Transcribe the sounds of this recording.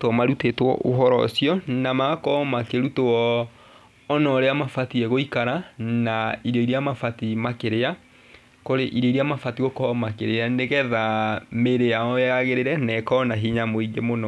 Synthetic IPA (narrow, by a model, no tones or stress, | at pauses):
twɔmaɾutetwɔ̰ʔoɦɔɾɔ̰siɔnamaɣakɔmakeɾutoɔː | nɔɾeamafatiɛɣoikaɾanaiɾɔiɾiamafatimakeɾea | koɾeʔiɾɔiɾiamafatiɣɔkɔmakeɾeaneɣɛðameɾeaɔaɣeɾeɾɛnɛkɔnaɦiɲamoiɡemonɔ